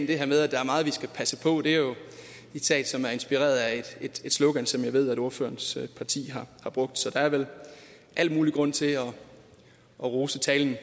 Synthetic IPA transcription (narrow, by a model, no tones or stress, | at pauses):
nd̥e̝heɐmeð̞ˠæd̥ɑ̈æɐmɑ̈ːð̩ˠʋisɡ̥æpʰæsəpʰɒ̽d̥e̝æɐjo̝ | ed̥sɛ̰ːd̥sɒ̽mæɐe̝nsb̥iʁɛ̰ːɐð̞ˠæed̥ed̥e̝d̥slɔɡ̥ænsɒ̽mjɑɪʋe̝ð̞̰ˠæɾo̝ɐfø̰ːɐnspʰɑ̈t͡sʰḭːɦɑ̈hɑ̈b̥ʁɔ̽ɡ̥̚d̥sɒ̽d̥ɑ̈æɐʋel | ʔæl̰muːliɡ̥ʁɔ̽n̰t͡sʰe̝ɒ̽ | ʔɒ̽ʁoːsət͡sʰɛːln̩